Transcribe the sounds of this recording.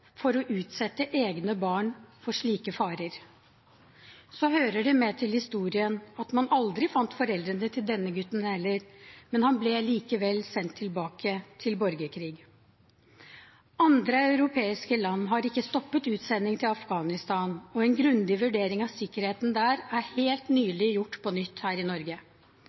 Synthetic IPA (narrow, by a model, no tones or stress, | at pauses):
fɔɾɔʔʉːt̪sɛt̪ːəʔeːɡnəbɑːɳfɔʂɭiːkəfɑːɾəɾ | sɔɦøːɾəɖɛmɛt̪ʰɪlhɪst̪uːɾɪənɑt̪mɑnʔɑld̪ɾɪfɑnt̪fɔɾɛld̪ɾənət̪ʰɪld̪ɛnːəɡʉt̪ːn̩hɛlːəɾmɛnhɑnblɛliːkəʋɛlːsɛnt̪ʰːɪlbɑːkət̪ʰɪlbɔɾɡəkʰɾiːɡ | ɑnd̪ɾəɑʉɾʊpʰeːɪskəlɑnːɦɑɾɪkːəst̪ɔpːət̪ʉːt̪sɛnːɪŋt̪ʰɪlɑfɡɑːnɪst̪ɑːnɔɛnɡɾʉnd̪ɪʋʉɖeːɾɪŋɑʋsɪkːəɾheːt̪n̩d̪æːɾæɾheːlt̪nyːlɪjʊʈːpʰɔnʏt̪ːhæːɾɪnɔɾɡə